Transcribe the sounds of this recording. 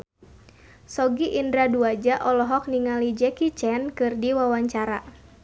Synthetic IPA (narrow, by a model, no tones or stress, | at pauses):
sɔɡiʔindɾaduad͡ʒaʔɔlɔɦɔk̚niŋalid͡ʒɛkit͡ʃɛnkɨrdiwawaɲt͡ʃaɾa